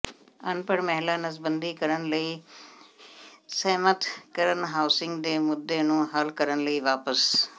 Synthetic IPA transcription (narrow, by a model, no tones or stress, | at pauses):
ənpəɽmɛɦlaːnəsbənd̪iːkəɾənləiː | səɦmət̪kəɾənɦaːʊsɪ̃ŋɡd̪eːmʊd̪ːeːnũːɦəlkəɾənləiːʋaːpəs